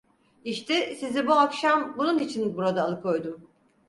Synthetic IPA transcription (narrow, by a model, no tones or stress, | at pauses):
iʃt̪ʰɛsizibuakʃambununit͡ʃʰinbuɾad̪aːlˠɯkʰo̞jd̪ʊ